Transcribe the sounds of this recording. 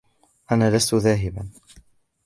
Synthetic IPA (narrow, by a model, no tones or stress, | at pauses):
ʔanaːlast̪ʊðaːɦɪban